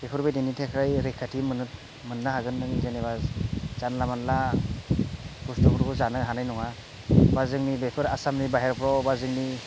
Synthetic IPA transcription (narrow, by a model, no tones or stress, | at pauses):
b̥epʰɯɾbejdenitʰekʰɾajɾekʰatʰimɯnɯt̚ | mɯnːaɦaɡɯnːɯŋidenebazz̥anlamanla | kustɔkuɾbuzanɯɦanajnɔŋa | bazɯŋnibepʰɯɾasamnibaɦeɾpʰɾɔbazɯŋni